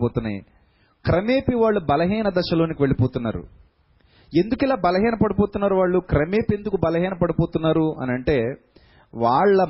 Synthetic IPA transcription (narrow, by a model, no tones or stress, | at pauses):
oːt̪unːa̰ːjḭ | kɾɐme̞ːpiʋaːɭːubɐlɐɦiːnɐd̪ɐʃɐlo̞ːnikiʋe̞ɭːipo̞ːt̪unːa̰ːɾṵ | e̞nd̪ukilaːbɐlɐɦiːnɐpɐɽupo̞ːt̪unːaːɾuʋaːɭːukɾɐme̞ːpend̪ukubɐlɐɦiːnɐpɐɽupo̞ːt̪unːaːɾuɐ̰nɐɳʈe̞ː | ʋaːɭːɐ